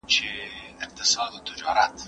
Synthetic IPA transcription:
t͡ʃʰeɪq̚t̪ɪsɑːd̪ot̪ʰʊd͡ʒɑːɾat̪

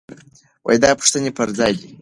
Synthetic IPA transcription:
wʔa̰jd̪apʰʂt̪ɨnʲepʰɐɾd͡zajd̪ʲi

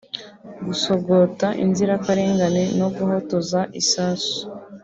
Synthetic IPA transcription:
ɡusoɡotaʔḭnziɾakaɾeːŋɡaneno̞ɡuho̞tozaʔisaːsu̥

